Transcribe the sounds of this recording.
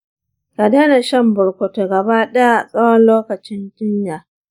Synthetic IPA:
ka˨daː˦na˨ʃɐ˦mbʊ˨ɽkʷo˨to˨ɡɐ˨baː˦ɗɐ˦ja˨sʼɐ˦wɔ˦nloː˦kɐ˨t͡ʃɪ˦ndʊ˦ɲjaː˨

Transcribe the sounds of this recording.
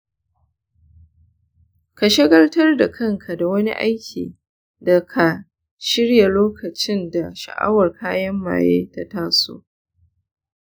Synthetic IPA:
ka˨ʃɪ˦ɡɐ˦ltɐ˦rda˨kʰɐ˦ŋkʰa˨da˨wɐ˦nḭ˦ʔa˦jkʲʰḭː˨ | da˨kʰa˨ | ʃɪ˦ɽja˨loː˦kɐ˨t͡ʃɪ˦nda˨ʃa̰˨ʔa̰˦wɐ˨rkʰaː˦jɐ˦mːa̰ː˨jḛː˦ta˦taː˦so̰ː˦

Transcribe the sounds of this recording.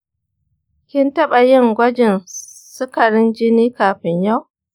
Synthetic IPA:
kʲɪ˦ntɐ˦ɓa˨jɪ˦ŋɡʷɐ˦d͡ʒɪ˨nsʊ˦kɐ˨ɾɪ˦nd͡ʒɪ˦niː˦kaː˨ɸɪ˨ɲja˦˨w

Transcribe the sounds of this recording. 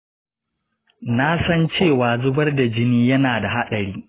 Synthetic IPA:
na˦sɐ˦nt͡ʃeː˦˨waː˨zʊ˦bɐ˦rda˨d͡ʒɪ˦niː˦jɐ˦naː˨da˨ɦa˦ɗɐ˨ɾiː˦

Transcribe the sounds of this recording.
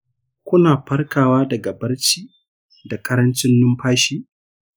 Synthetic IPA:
kʷʊ˦naː˨ɸɐ˦rkʰaː˨waː˦dɐ˨ɡa˨bɐ˦rt͡ʃiː˦ | da˨kʼɐ˦ɾɐ˦nt͡ʃɪ˦nːʊ˦mɸaː˦ʃiː˦

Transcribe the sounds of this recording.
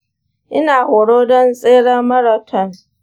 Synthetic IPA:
ʔɪ˦naː˨hoː˨ɽoː˦dɔ˦nsʼeː˦ɽɐ˦rmɐ˦ɽa˨tʰɔ˦˨n

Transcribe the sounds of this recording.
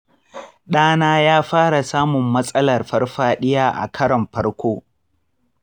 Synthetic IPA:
ɗaː˦naː˦jaː˦ɸaː˦ɽa˨saː˦mʊ˨mːɐ˦sʼɐ˦lɐ˨rɸɐ˦rɸaː˦ɗɪ˦jaː˦ʔa̰˨kʰɐ˦ɽɐ˨mɸɐ˦rkʷoː˦

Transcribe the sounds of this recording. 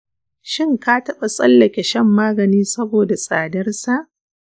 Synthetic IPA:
ʃɪ˦ŋka˦tɐ˦ɓa˨sʼɐ˦lːɐ˨kʲe˨ʃɐ˦mːaː˦ɡɐ˨niː˦sɐ˦boː˨da˨sʼaː˨dɐ˦rsa˦˨ʔ

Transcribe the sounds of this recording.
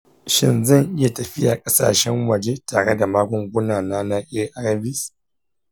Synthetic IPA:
ʃɪ̰˦nzɐ˦˨ŋʔɪ˦ja˨tɐ˨ɸɪ˦jaː˨kʼɐ˦sa̰ː˨ʃɛ˦ŋwɐ˨d͡ʒe˦taː˨ɽe˦da˨maː˦ɡʷɔ˨ŋɡʷʊ˦naː˨naː˦na˦ʔe˦ʔa˦ɾa˦bɪ˦s

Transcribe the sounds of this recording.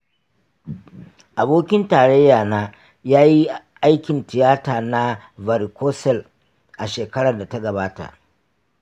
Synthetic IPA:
ʔa˨boː˦kʲɪ˦ntaː˨ɽe˦jːaː˨naː˦ | jaː˦ji˦ | ʔa˦jkʲɪ˨ntɪ˨jaː˦taː˨na˦vɐ˨ɾko˦sɛ˦˨l | ʔa˨ʃeː˨kɐ˦ɽɐ˨da˨ta˦ɡɐ˨baː˦ta̰˨ʔ

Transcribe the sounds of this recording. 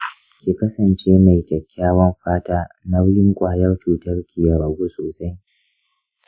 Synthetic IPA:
kʲiː˨kɐ˦sɐ˨nt͡ʃeː˦ma˨jkʲʼɛ˨kʲːaː˦wɐ˦mɸaː˦taː˦na˦wʊ˦lɪ˦ŋkʷʼaː˨jɐ˦rt͡ʃuː˨tɐ˦rkʲi˨jɐ˨ɾɐ˨ɡʷu˦soː˨sa˦j

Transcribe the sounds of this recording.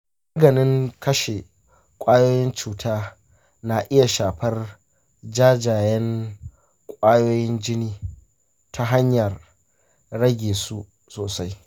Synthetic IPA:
m | a˦ɡɐ˨nɪ˦ŋkɐ˦ʃe˨ | kʷʼaː˦joː˦jɪ˦nt͡ʃuː˨tʰaː˦ | na˨ʔɪ˦ja˨ʃaː˨ɸɐ˦r | d͡ʒaː˦d͡ʒaː˨jɛ˦ŋ | kʷʼaː˦joː˦jɪ˦nd͡ʒɪ˦niː˦ | tʰa˦ɦa˦ɲjɐ˨r | ɽɐ˦ɡʲeː˨su˦ | soː˨sa˦j

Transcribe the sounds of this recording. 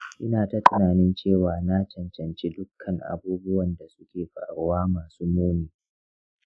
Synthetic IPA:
ʔɪ˦naː˨ta˦tʊ˦naː˨nɪ˦nt͡ʃeː˦˨waː˨naː˦t͡ʃɐ˨nt͡ʃɐ˨nt͡ʃi˦dʊ˦kʰːɐ˨ŋʔa̰˨buː˦bʊ˦wɐ˨nda˨sʊ̥˦kʲeː˨ɸa̰ː˨ɽʊ˦waː˦maː˨suː˦moː˦miː˨

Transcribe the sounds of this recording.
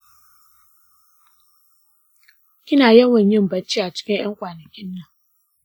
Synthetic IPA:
kʲɪ˦naː˨jɐ˦ŋwɐ˨ɲjɪ˦mbɐ˦t͡ʃːiː˦ʔa˨t͡ʃɪ̥˦kʲɪ˦ɲj̰ɐ˦ŋkʷaː˨nɐ˨kʲɪ˦nːɐ˨ŋ

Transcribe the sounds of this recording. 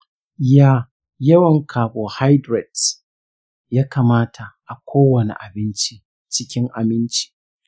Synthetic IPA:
jaː˦˨ | jɐ˦wɐ˨ŋkʰaː˨boː˨ha˦jdɾɛ˨t | jaː˦kaː˨maː˦tʰa˨ʔa˨kʷʰoː˦wɐ˨nḛ˨ʔa˨bɪ˦nt͡ʃi˦ | t͡ʃɪ˦kʲɪ˦ŋʔa̰˨bɪ˦nt͡ʃi̥˦

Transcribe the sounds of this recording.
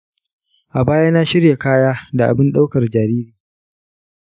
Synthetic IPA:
ʔa˨baː˦jaː˦na˦ʃɪ˦rja˨kaː˦jaː˦da˨ʔa̰˨bɪ˦nɗa˦wkɐ˨rd͡ʒaː˨ɾiː˦ɾiː˨

